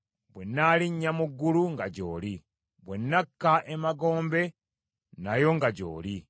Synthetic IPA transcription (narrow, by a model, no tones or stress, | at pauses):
bwenːaliɲːamuɡːuluŋɡaɟo̰ːli | βwenːakːaʔemaɡo̞ːmbe̞ | najo̞ŋɡaɟo̰ːli